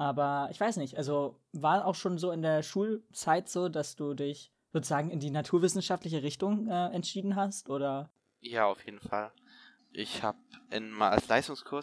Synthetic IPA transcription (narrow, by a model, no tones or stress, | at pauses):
ʔaːbɐʔɪçv̥aɪsnɪçtʔalzo | vaːɐsaʊxʃoːnzoːɪndeːɐʃuːlt͡saɪtz̥oːdasd̥uːdɪç | voʊːzaːɡŋ̩ɪndiːnatʰuːɐvɪsn̩ʃaftlɪç̬əʁɪçtʊŋʔɛːʔɛntʃiːdn̩ɦastʔoːɾɐ | jaːaʊfjeːdn̩fa̰l | ʔɪçha̰ːpʔɪ̰nma̰a̰lsla̰ɪstʊŋskʰʊɐs